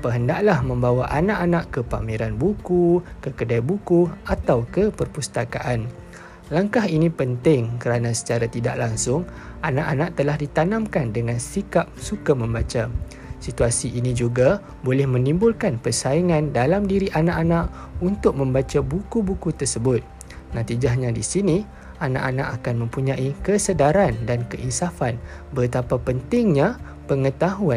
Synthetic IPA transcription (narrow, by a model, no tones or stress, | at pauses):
pəɦəndaʔlahmə̃mbawaʔanãʔanaʔkəpa̰miɾanbukukəkədajbukuat̪awkəpərpust̪aka̰ʔan | laŋkaɦinĩpənt̪ɪŋkəɾanãsə̥t͡ʃaɾat̪ida̰ʔlaŋsʊŋ | anãʔanãʔ̚t̪əlahdit̪anãmkandəŋãnsikap̚sukamə̃mbat͡ʃa | sit̪uasiʔinĩd͡ʒuɡa | bolɛhmə̃nĩmbʊlkanpərsaiŋãndalamdiɾiʔanãʔanãʔ | unt̪ʊk̚mə̃mbat͡ʃabukubukut̪ərsəbʊt̪̚ | nãt̪id͡ʒahɲãdisinĩ | ana̰ʔanã̰ʔakanmə̃mpuɲãʔikəsədaɾandankəʔisafan | bət̪apapənt̪ɪŋɲã | pəŋə̃t̪aɦuan